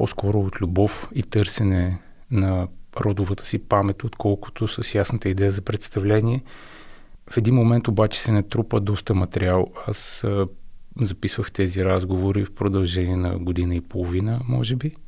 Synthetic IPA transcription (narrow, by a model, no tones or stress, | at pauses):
pɔ̰skɔɾʊot̪lʲubɔfit̪ɤɾsɛnɛ | nɐɾɔd̪ʊvət̪ʰə̥sipamɛt̪ot̪kʰɔlˠkʊ̥t̪osəsjasnət̪əid̪ɛjəzɐpɾɛt̪st̪ɐvlɛniɛ | fɛd̪inmomɛnt̪obat͡ʃɛ̥sɛnɐt̪ɾupəd̪ɔst̪əmɐt̪ɛɾialˠas | zɐpisvəxt̪ɛziɾazɡovoɾifpɾod̪ɐlˠʒɛniɛnɐ̰ɡod̪inəipolˠovinəmɔ̰ʒɛbi